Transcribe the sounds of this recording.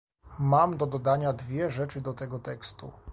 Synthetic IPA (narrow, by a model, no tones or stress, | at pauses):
mamd̪ɔd̪ɔd̪aɲad̪vʲjɛʐɛt͡ʂɘd̪ɔt̪ɛɡɔt̪ɛkst̪ṵ